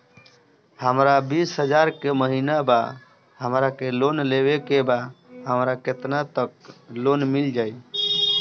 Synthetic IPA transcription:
həmɾabisɦəd͡ʒaɾkeməɦinaba | ɦəmɾakelonleβekebaɦəmɾaket̪nat̪ək̚lonmild͡ʒaj

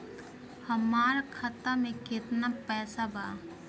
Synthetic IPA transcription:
həmaːɾkʰət̪amẽket̪napɛːsabaː

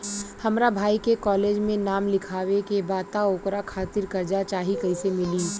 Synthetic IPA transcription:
hɐmɾabʱaːikekɔːleːd͡ʒmẽnaːmlɪkʰaːwekebaːt̪aoːkɾakʰaːt̪ɪɾkɐɾd͡ʒat͡ʃaːɦikɐisemɪliː

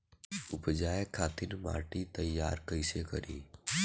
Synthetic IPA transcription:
ʊpd͡ʒaːjəkʰːaːt̪ɪnma̰ːʈit̪ɐjːa̰ːɾkəɪsekə̰ɾḭː

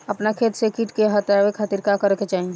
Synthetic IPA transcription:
əpnakʰet̪sekiʈkeɦət̪jaʋekʰat̪iɾkakəɾɛket͡ʃaɦi

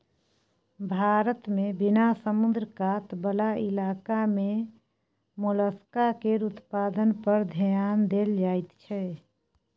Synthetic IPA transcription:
bʱaːɾət̪mebɪnasəmʊnd̪ɾəkat̪bəlaɪlaːkamẽ | muləskakeɾut̪paːd̪ənpəɾd̪ʱəjaːnd̪eːld͡ʒaːt̪t͡ʃʰɛ

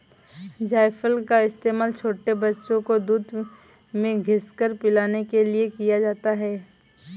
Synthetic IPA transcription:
d͡ʒaːɪfʰəlkaɪst̪eːmaːlt͡ʃʰoːʈebɐtːʃõkod̪uːd̪ | mẽɡʱɪskəɾpɪlaːnekeliekijad͡ʒaːt̪aɦɛː

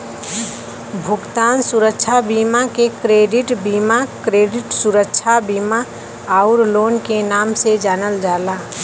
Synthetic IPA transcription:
bʱʊkt̪aːnsuɾəkt͡ʃʰabimakekɾeːɖɪʈbiːmakɾeːɖɪʈsuɾəkt͡ʃʰabiːma | aʊɾloːnkenaːmsed͡ʒaːnəld͡ʒaːla

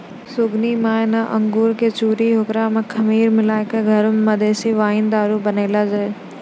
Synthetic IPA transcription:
sʊɡnimaːenaʔɐ̃ŋɡuːɾket͡ʃuːɾiɦʊkɾamẽkʰɐmiːɾmɪlaːɪkeɡʱɐɾʊmːɐd̪eːsiʋaːɪnd̪aːɾubɐneːlad͡ʒaːe

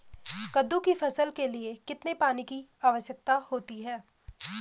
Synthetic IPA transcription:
kɐd̪ːukifʰɐsəlkeliekɪt̪nepaːnikiaːʋəʃjək̚t̪ahoːt̪iɦɛː

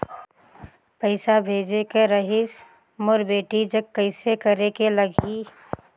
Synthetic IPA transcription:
pəɪsabʱeːd͡ʒekeɾəɦɪs | mʊɾbeːʈid͡ʒɐɡ̚kəɪsekəɾekeləɡi

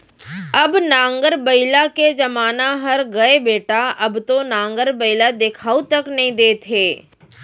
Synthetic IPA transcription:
ɐbnãːŋɡəɾbɐɪlaked͡ʒɐmaːnaɦɐɾɡɐebeːʈaɐbt̪onãːŋɡəɾbɐɪlad̪eːkʰaːut̪ɐknɐɦĩd̪eːt̪ʰeː

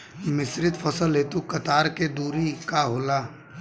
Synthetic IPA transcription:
mɪsɾɪt̪fʰəsəlɦeːt̪ukɐt̪aːɾked̪uːɾikaɦoːlaː

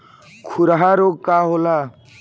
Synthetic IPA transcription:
kʰuɾɦaɾoɡkːaɦola

